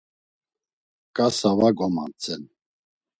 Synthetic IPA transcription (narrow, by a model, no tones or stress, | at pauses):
kʼasavaɡɔma̰nt͡sʰʼɛn